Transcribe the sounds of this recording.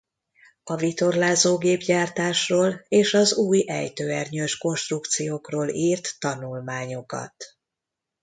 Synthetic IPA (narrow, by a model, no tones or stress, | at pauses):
ɒvit̪o̞rlaːzoːɡeːbɟaːrt̪aːʃroːleːʃɒzuːjɛ̰jt̪øːɛrɲøːʃko̞nʃt̪rukt̪sijoːkroːliːrt̪ːɒnulmaːɲo̞kɒ̰t̪